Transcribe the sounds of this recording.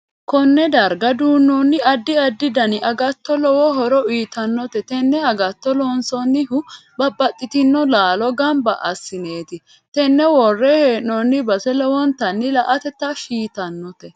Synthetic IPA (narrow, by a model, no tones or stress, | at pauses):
kɔnːɛd̪ɐɾɡɐd̪uːnːɔnːɪɐd̪ːɪɐd̪ːɪd̪ɐnɪʔɐɡɐt̪ːɔlɔwɔɦɔɾɔiːt̪ɐnːɔt̪ɛt̪ɛnːɛɐɡɐt̪ːɔlɔːnsɔnːɪhʊbɐbːɐt̪ʼːɪt̪ɪnːɔlaːlɔɡɐmbɐʔɐsːɪne̞ːt̪ɪ | t̪ɛnːɛwɔrːɛheːnːɔnːɪbɐsɛlɔwɔnt̪ɐnːɪlɐʔɐt̪ɛt̪ːɐʃiːt̪ɐnːɔt̪ɛ